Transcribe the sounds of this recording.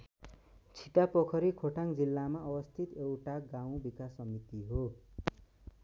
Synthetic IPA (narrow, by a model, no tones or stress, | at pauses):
t͡sʰiʈ̪apʌkʰʌɾikʰoʈʰaŋd͡zilːamaʌwʌst̪ʰit̪ewʈaɡaw̃bikasːʌmit̪iɦo